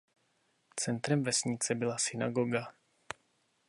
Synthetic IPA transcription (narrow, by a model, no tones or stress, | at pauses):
t͡sɛnt̪ɾɛmvɛsɲɪt͡sɛbɪlasɪna̰ɡoɡa